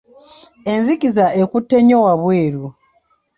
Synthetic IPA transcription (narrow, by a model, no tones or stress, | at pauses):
enzikizaekutːe̞ɲowaβweːɾu